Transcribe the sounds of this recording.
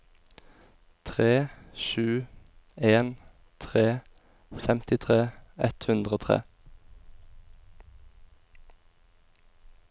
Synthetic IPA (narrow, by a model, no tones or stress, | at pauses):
t̪ʰʁeːʃʉː | eːn | t̪ʰʁeː | fɛmt̪ɪt̪ʰʁeːɛt̪hʉnd̪ʁəoːt̪ʰʁḛː